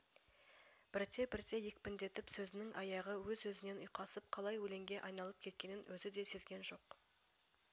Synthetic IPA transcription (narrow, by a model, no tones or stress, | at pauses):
b̥ɪɾt̪ʰe̞bɪɾt̪e̞je̞kʲpɪnd̪e̞t̪ɪpsɵzɪnɪŋʔɑjɑʁəwɵzːɵzɪne̞nʊjqɑsəp̚qʰɑlˠɑjwɵle̞ŋɡʲe̞ʔɑjnɑlˠəp̚kʲʰe̞t̪kʲe̞nɪnwɵzɪd̪e̞se̞zɡʲe̞nʒo̞q